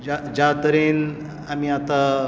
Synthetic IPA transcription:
ad͡ʑat̪əɾen | amiːat̪a

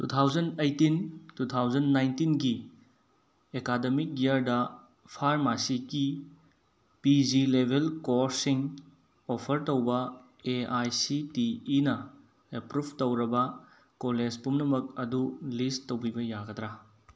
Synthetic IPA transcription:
tut̪ʰawd͡ʒɐndejtintut̪ʰawd͡ʒɐnːajntinɡi | ekademik̚jiɐɾdɐ | pʰaɾmasiki | pid͡ʒilebʱelkoɾsiŋ | opʰɐɾtowbɐ | eajsitiːnɐ | epɾubʱtowɾɐbɐ | kolezpumnɐmɐk̚ɐdulistːowbibɐjaɡɐt̪ɾa

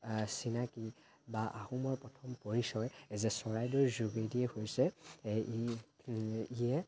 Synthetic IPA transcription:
sinaki | baʔahumɔɹpɹɔtʰɔmpoɹisɔjɛzɛsɔɹajdɔɹzuɡediɛhojsɛ | ijɛ

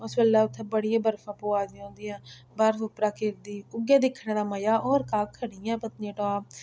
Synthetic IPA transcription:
əsbəlːaːʊt̪ʰːẽːbəɽijãːbəɾfʰãːpoːaːzõːnd̪ijãː | bəɾfʊpɾaːkɪɾd̪iːʊɡjaːd̪ɪkʰːɽːd̪aːməjaːʔɔːɾkaːkʰːəɽijãːpət̪nẽːʈoaː

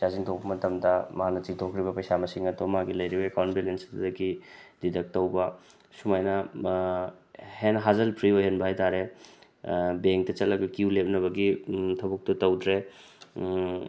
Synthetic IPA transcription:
saziŋtʰok̚pɐmɐtɐmdɐmɐɦanɐt͡ʃiŋtʰokʰɾibɐpɐjsamɐsiŋɐdomaɡilɐjɾibɐekawntbelensddɐɡididɐk̚tɐwbɐ | sumajnɐ | henɦazɐlpʰɾiojɦenbʱajtaɾe | beŋk̚tɐt͡ʃɐtlɐɡɐkiulep̚nɐβɐɡitʰɐbuk̚tɐtɐwdɾe

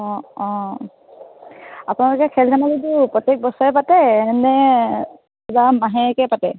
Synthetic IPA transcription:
ɔ̃ɔ̃ | apʊnalʊkɛkʰɛltʰanazit̬upɹɔtek̚bɔsɔɛpatɛnɛ | ɛzamaɦɛkɛpatɛ

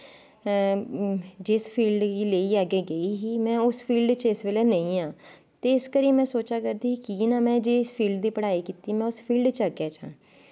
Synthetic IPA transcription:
d͡ʒɪspʰiːlɖileːiːaːɡeːɡəiːɦiːmɛ̃ːʊspʰiːlɖt͡ʃɪsʋeleːnəĩːãː | t̪eːɪskəɾiːmɛ̃ːsoːt͡ʃaːkəɾd̪iːkiːnaːmɛ̃ːd͡ʒespʰiːlɖd̪iːpəɽaːiːkiːt̪iːmɛ̃ːʊspʰiːlɖt͡ʃəɡaːt͡ʃã̰ː

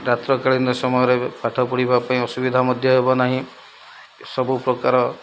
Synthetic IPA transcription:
ɾat̪ɾɔkaɭind̪ɔsɔmɔjɔɾepaʈʰɔpuɽibapaĩɔsubid̪ʱamɔd̪ʱjɔɦebɔnaɦĩ | sɔbupɾɔkaɾɔ

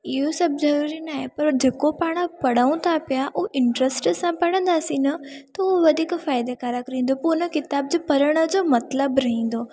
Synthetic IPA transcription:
ɪɦosɐb̚zɐɾuːɾinaːɦepɐɾd͡ʑeːkopaːɽ̃ə̆pɐɽ̤aːũt̪ʰapijaʔʊʔɪ̃ɳʈɾesʈsãpɐɽ̤ə̃nd̪aːsĩnɐt̪ɐʊʋɐd̪ʱiːkfaːɪd̪ekaːɾakɐɾĩːnd̪opunəkɪt̪aːb̚d͡ʑopɐɾəɽ̃ə̆d͡ʑoːmɐt̪ləbɾɐɦĩːn̆d̪oː

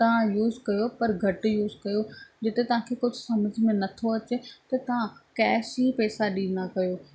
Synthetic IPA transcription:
t̪ɐʋ̤ãjuːzkɐjopɐɾɡʱɐʈjuːzkɐjod͡ʑɪt̪et̪ɐʋ̤ãkʰeːkʊd͡ʑʱʊsɐməd͡ʑʱmẽnɐt̪ʰoɐt͡ɕet̪ɐt̪ɐʋ̤ãkɛːsipɛːsaɗĩːnd̪akɐjoː

